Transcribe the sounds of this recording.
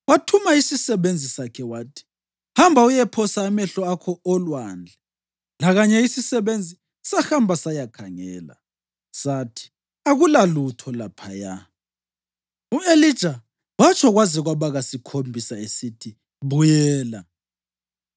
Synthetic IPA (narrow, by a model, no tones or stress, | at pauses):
watʰumaisisɛβend͡zʱisakʰɛwaːtʰi̥ | hambʱaujɛpʰɔsaːmɛɬɔakʰɔɔlwaːnd͡ɮʱɛ | laɣaɲɛisisɛβend͡zʱi | sahambʱasajakʰaŋɛ̰ːla̰ | satʰi̥ | aɣulalutʰɔlapʰaja̰ | uelid̥ʒ̥ʱa | wat͡ʃʰʼɔɣwaziɣwaβaɣasikʰombʱisaesitʰi | βujɛːla